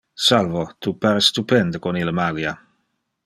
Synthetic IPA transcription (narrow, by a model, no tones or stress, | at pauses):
salvot̪upaɾest̪upɛnd̪əkoniləmalja